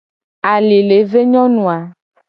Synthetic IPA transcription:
a˨li˨le˨˦ve˦ɲɔ̃˦nũ˨a˨

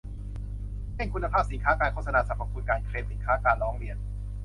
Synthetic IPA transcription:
he˥˩ŋkʰu˧nːa˧aː˥˩p̚si˨˩˦nkʰaː˦˥kaː˧nkʰo˥˩t̚sa˧naː˧sa˨˩˥p̚ʰːa˧p̚ʰuː˧nkaː˧nkʰɾeː˧msi˩˦kʰaː˦˥kaː˧nɾɔː˦˥ŋɾi˧ən

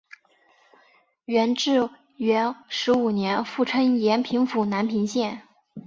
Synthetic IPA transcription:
ɥɛ˧˥nʈ͡ʂɻ̩˥˩ | ɥɛ˧˥nʂɻ̩˧˥u˨˩njɛ˧˥nfu˥˩ʈ͡ʂʰɤ˥ŋjɛ˧˥npʰi˧˥ŋfu˨˩na˧˥npʰi˧˥ŋɕjɛ˥˩n

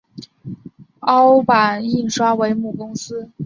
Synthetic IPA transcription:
ɑ˥ʊpa˨˩ni˥˩nʂwa˥we˧˥ɪmu˥˩kʊ˥ŋsɹ̩˥

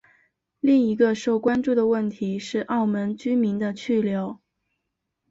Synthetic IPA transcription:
li˥˩ŋi˧˥ɡə˧ʂo˥˩ʊkwa˥nʈ͡ʂu˥˩d̪ə˩wə˥˩nt̪ʰi˧˥ʂɻ̩˥˧ʔɑ˥˩ʊmə˧˥nt͡ɕy˥mi˧˥nd̪ə˧t͡ɕʰy˥˩ljo˧˥ʊ

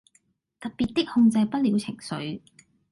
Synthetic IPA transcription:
t̪ɐ˨t̚pi˨t̪̚t̪ːɪ˥k̚hʊ˧ŋt͡sɐ˧jpɐ˥t̚liː˨˧wt͡sʰɪ˨˩ŋsɵ̰˨˥ɥ

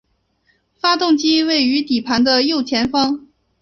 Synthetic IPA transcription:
fa˥t̪ʊ˥˩ŋt͡ɕi˥we˥˩ɪy˧˥t̪i˨˩pʰa˧˥nd̪ə˧jo˥˩ʊt͡ɕʰjɛ˧˥nfɑ˥ŋ

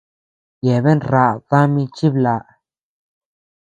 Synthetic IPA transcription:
je˨be˦nɾa˧˨ð̥a˦mi˧t͡ʃi˦bla˨ʔ

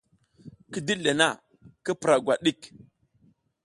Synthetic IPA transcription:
ki˦di˦le˨na˦ | kə˦pɾa˨ɡʷa˨ɗi˦˨k

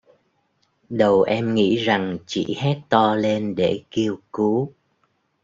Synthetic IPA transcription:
ɗə˨˩wʔɛ˧mŋḭ˧˥za˨˩ŋt͡ɕḭ˧˩˨hɛ˦˥t̚t̪ɔ˧le˧nɗe˧˩ki˧əwku˨˦

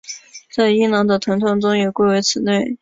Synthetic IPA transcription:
t͡sa˥˩ɪi˥ŋnɑ˧˥ŋd̪ə˧t̪ʰə˧˥nt̪ʰɤ˥ŋʈ͡ʂʊ˥ŋjɛ˨˩kwe˥˩ɪwe˧˥ɪt͡sʰɹ̩˨˩ne˥˩ɪ

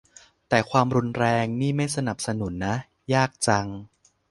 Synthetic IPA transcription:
t̪ɛː˨˩kʰwaː˧mɾu˧nɾɛː˧ŋniː˥˩ma˥˩jsa˧na˨˩p̚sa˧nu˩˦nːa˦˥ | jaː˥˩k̚t͡ɕa˧ŋ

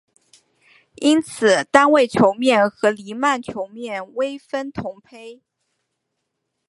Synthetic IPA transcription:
i˥nt͡sʰɹ̩˨˩t̪a˥nwe˥˩ɪt͡ɕʰjo˧˥ʊmjɛ˥˩nxɤ˧˥li˧˥ma˥˩nt͡ɕʰjo˧˥ʊmjɛ˥˩nwe˥ɪfə˥nt̪ʰʊ˧˥ŋpʰe˥ɪ

